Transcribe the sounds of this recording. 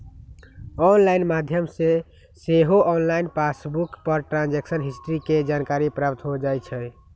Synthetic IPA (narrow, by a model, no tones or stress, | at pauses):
ɔnlainmad̪ʱjəmse | seɦoʔɔnlainpasbukpəɾʈɾãnd͡ʒeksənɦisʈɾiked͡ʒankaɾipɾap̚t̪ɦod͡ʒajt͡ʃʰɛ